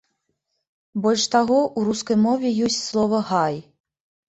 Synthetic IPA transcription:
bɔlʲʂt̪aɣɔʔuɾuskɐjmɔvʲɛjɔsʲt͡sʲslˠɔvɐɣaj

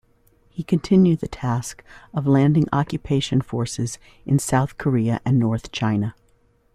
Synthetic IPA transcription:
hikʰɨ̃ntʰɪ̃njʉd̪̚ðɨtʰæskʌvlæ̃ndɪ̃ŋɑkjɨpʰeɪʃɨ̃nfɔɹsɨz | ʔɨ̃nsaʊθkʰə˞iɨʔɨ̃nːɔɹθt͡ʃʰãɪ̃nɨ

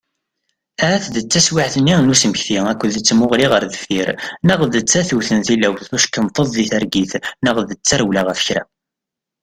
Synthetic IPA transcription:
ææθðət͡sːæswiʕθənːinusəməçθiækʷːəðət͡sːmʊʁliʁəɾðəfiɾnəʁðət͡sːæθuwθənθilæwθθuʃkːənt̪ˤəðˤðiθæɾɡiθnəʁðət͡sːæɾwlaʁəfə̥çɾæ̰

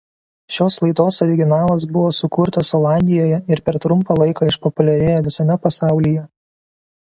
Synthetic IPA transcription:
ʃʲoːslˠɐɪt̪oːsɔɾʲɪɡʲɪnɑːlˠɐsbʊʋoːsʊkʊɾt̪ɐsɔlˠɑˑnʲd̪ʲɪjoːjɛɪɾpʲɛɾt̪ɾʊmˑpɐlˠɐɪkɑɪʃpɔpʊlʲɛɾʲeːjɛʋʲɪsɐmʲɛpɐsɑˑʊlʲijɛ

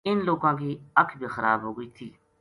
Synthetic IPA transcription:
ɪnloːkãːkiːəkʰbʱiːxəɾa̰ːbɦoːɡəiːt̪ʰiː

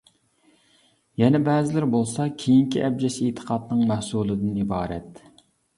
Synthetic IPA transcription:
jɛnɛbɛːzɪlɪɾbolˠsɑkʲʰejiŋkʲʰiʔɛb̚d͡ʒɛset̪ʰə̥qʰɑt̪nɨŋmæhsuːlˠɨd̪ɪnibɑːɾɛ̰t̪

